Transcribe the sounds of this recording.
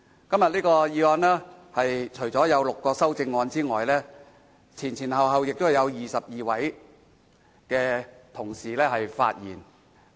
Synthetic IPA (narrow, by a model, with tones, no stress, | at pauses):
kɐ˥mjɐ˨t̚liː˥kɔː˧jiː˨˧ɔː˧nɛː˥hɐ˨jt͡ʃʰɵ˨˩ɥt͡sɔː˨˥jɐ˨˧wlʊ˨kːɔː˧sɐ˥wt͡sɪ˧ŋːɔː˨˧nt͡siː˥ŋɔː˨jlɛː˥ | t͡sʰiː˨˩nt͡sʰiː˨˩nɦɐ˨wɦɐ˨wjɪ˨k̚t̪ʊ˥hɐ˨jɐ˨˧wjiː˨˩sɐ˨p̚jiː˨wɐ˨˥j | kɛː˧t̪ʰʊ˨˩ŋsiː˨lɛː˥hɐ˨jfa̰ː˧t̚jiː˨˩n